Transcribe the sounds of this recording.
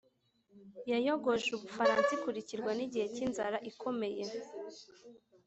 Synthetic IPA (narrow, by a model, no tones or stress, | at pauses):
jajoɡo̞ʒuβufaɾaːnsikuɾiciɾɡwaniɟihe̞cinzaɾaʔikʰo̞me̞je